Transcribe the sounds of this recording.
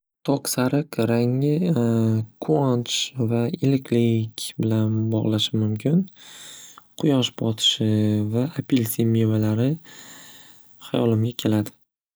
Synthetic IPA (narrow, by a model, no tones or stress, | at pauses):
t̪ʰoqsaɾɨqɾaŋɪ | kʰuant͡ʃvaɪlɪkʲʰlɪkʲbɪlanbɒʁlˠaʃɪmʊmkʲʰɪn | qʰʊjɒʃbɒt̪ʰɪ̥ʃɪvaapʰilsemevalaɾɪ | hajɒlɪmɡʲakʲʰe̞lad̪ɪ